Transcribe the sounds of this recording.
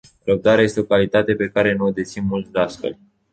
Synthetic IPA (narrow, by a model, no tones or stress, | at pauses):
ɾəb̚d̪aɾeaje̞st̪eo̞kalit̪at̪e̞pe̞kaɾe̞nuod̪et̪sinmult̪d̪easfḛlʲ